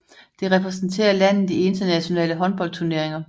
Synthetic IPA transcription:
d̥e̝ʁɛpʰʁɛs̬n̩t͡sʰe̝̰ːɐlæn̰ð̩ˠdie̝nd̥ɐnæɕo̝nɛ̰ːləɦɒ̽nb̥ɒ̽l̰̚t͡sʰuɐne̝ɐ̰e̝ŋɐ

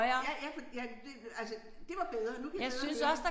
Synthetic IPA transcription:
ɪɐæjæfɒd̥jæd̥eælsə | d̥e̝ʋɑ̈b̥eðˠɐnukʰjjɑɪsynsɒ̽sd̥ɑ

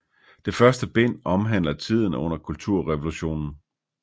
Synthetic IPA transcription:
d̥e̝fɶɐsd̥əb̥e̝n̰ɒ̽mɦæn̰lɐt͡sʰið̞̰ˠn̩ɔ̽n̰ɐkʰult͡sʰuɐ̰ʁɛʋo̝luɕo̝̰ːnn̩

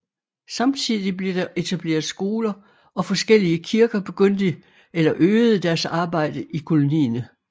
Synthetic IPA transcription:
sɑ̈mt͡sʰið̰ˠib̥le̝d̥ɑʔe̝t͡sʰæb̥le̝̰ːɐð̩ˠsɡ̥o̝ːlɐ | ɒ̽fɒ̽sɡ̥el̰iəkʰiɐɡ̥ɐb̥e̝ɡ̥øn̰d̥i | elɐʔøːð̩ˠəd̥æɐsɑ̈ːb̥ɑ̈ɪ̰d̥əʔikʰo̝lo̝nḭːnə

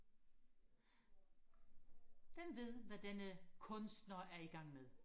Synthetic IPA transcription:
ʋem̰ʋe̝ð̞̰ˠʋæd̥enəkʰɔ̽nsd̥nɐæɐiɡ̥ɑ̈ŋ̰meðˠ

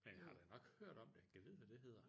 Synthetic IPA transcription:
menhɑ̈d̥enɒ̽ɡ̥høɐ̰d̥ɒ̽m̰d̥eɡ̥əʋið̰ˠʋæd̥e̝ɦe̝ð̞̰ˠɐ

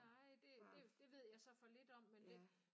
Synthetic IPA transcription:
ɑɪ̰d̥e̝d̥e̝d̥e̝ʋe̝ð̞̰ˠjɑ̈ɪsɒ̽fɒ̽le̝d̥ɒ̽m̰ːend̥e̝

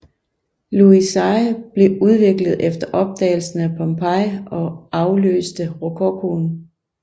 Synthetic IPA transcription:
luisɑ̈ɪb̥le̝uð̞ˠʋe̝ɡ̥ləð̞̩ˠefd̥ɐʔɒ̽b̥̚d̥ɛ̰ːɪl̩sn̩æpʰɒmpʰɑɪɒ̽ɑ̈ʊlø̰ːsd̥əʁokʰokʰon

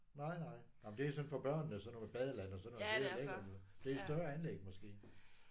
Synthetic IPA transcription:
nɑ̈ɪnɑ̈ɪ̰nɑm̩d̥e̝æsɒ̽nfɒ̽b̥ɶɐ̰nnəsɒ̽nomeb̥ɛð̞ˠəlænɒ̽sɒ̽n̥e̝leɡ̥ɐɒnoð̩ˠd̥e̝æisd̥ɶɐænleɡ̥̚mɒ̽sɡ̥e̝̰ː

